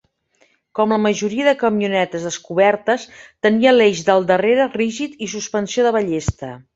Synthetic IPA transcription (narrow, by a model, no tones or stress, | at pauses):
kɔmləməʒuɾiəðəkəmiunɛt̪əzðəskuβɛɾt̪əst̪əniəleʒd̪əlˠd̪əreɾəriʒit̪is̬uspənsioðəβəʎest̪ə